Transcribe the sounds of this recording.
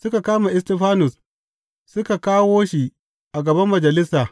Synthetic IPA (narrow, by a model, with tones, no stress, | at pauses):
sʊ˦ka˨kaː˦ma˨ʔɛ˦stɛ˦˨ɸaː˦nʊ˨s | sʊ˦ka˨kaː˦woː˦ʃi˨ | ʔa˨ɡɐ˨bɐ˦mːɐ˨d͡ʒɐ˨lɪ˦saː˨